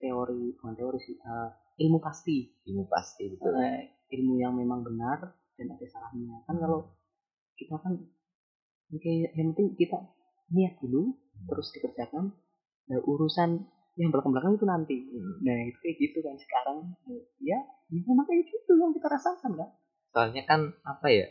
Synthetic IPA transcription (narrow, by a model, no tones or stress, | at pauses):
t̪eoɾiŋat̪eoɾisiə | ilmupast̪i | ilmupa̰st̪iɡik̪ua | ilmujaŋmemaŋbənar | d̥anadesalahɲakankalo | kit̪akan | kajjaŋpənt̪ɪŋkit̪a | niat̪̚d̥ulu | t̪əɾʊsdikərd͡ʒakan | daʔuɾusan | jaŋbəlakəmbəlakanɡit̪unant̪inahit̪u̥kajɡit̪ukansə̥kaɾaŋjajamemaŋkajɡit̪ujaŋkit̪aɾasakankan | soalɲakanapaja